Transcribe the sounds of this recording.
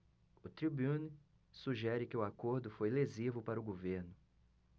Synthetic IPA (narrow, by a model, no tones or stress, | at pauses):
ʊt̪ɾibũn | suʒɛɾɪkɪʊakoɾd̪ʊfojlezivʊpaɾʊɡoveɾnʊ